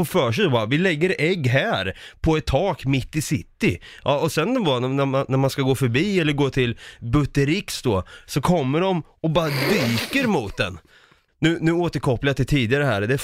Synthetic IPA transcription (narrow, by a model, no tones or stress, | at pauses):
ɔfœːʂɛɪd̪ɔbɑːɾavɪlɛɡːəɾɛɡːɦæːɾpʰɔɛt̪ʰːɑːkmɪt̪ːɪsɪt̪ːɪʔɑɔsɛnvɑnnæmanæɾmanskaɡoːfœɾbiːɛlːəɾɡoːt̪ʰɪlbɵt̪ːəɾɪksd̪ɔsɔkʰɔmːəɖɔm | ɔbɑːɾad̪yːkəɾmʊt̪̚d̪ɛ̰n | nʉ̟ːnʉ̟ːoːt̪əɾkʰɔpːlajat̪ʰɪt̪ʰiːd̪ɪaɾəɦæ̰ːɾd̪ɛ